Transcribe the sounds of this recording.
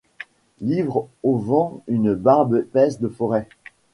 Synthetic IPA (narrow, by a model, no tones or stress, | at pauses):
livʁovɑ̃ynbaʁbpɛsd̪əfɔʁɛ